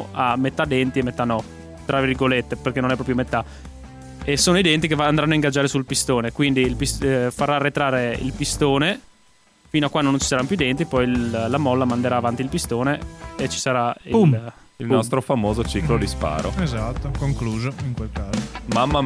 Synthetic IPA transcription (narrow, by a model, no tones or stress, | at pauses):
amet̪ːad̪ɛnt̪iemːet̪ːanɔ | t̪ɾavirɡolet̪ːeperkenonɛpːɾɔpjomet̪ːa | esoːnoid̪ɛnt̪ikevand̪ɾanːoaiŋɡad͡ʒːaːɾesulpist̪oːnekwind̪ilpisfarːarːet̪ɾaːreḭlpist̪oːne | fiːnoakːwand̪onõnt͡ʃi̥saɾanpjuid̪ɛnt̪ipɔjlamɔlːamand̪eɾaːvant̪ilpist̪oːneːt͡ʃi̥saɾaiilnnɔst̪ɾofamoːzot͡ʃiklod̪ispa̰ːɾʔo̰ezat̪ːokoŋkluːzoiŋkwelkaːzomamːa